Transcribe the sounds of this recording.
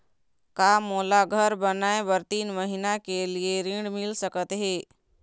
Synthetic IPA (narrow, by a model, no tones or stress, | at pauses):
kamoːlaɡʱəɾbənaẽbəɾt̪iːnməɦinakelieɾĩɽmilsəkət̪ɦe